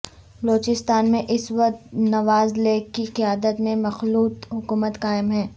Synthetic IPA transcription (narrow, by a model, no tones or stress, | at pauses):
bɐloːt͡ʃɪst̪aːnmẽʔɪsʋɐq̚t̪nɐʋaːzleːkːiqijaːd̪ət̪mẽmɐxluːt̪ɦʊkuːmət̪kaːɪmɦɛ̃ː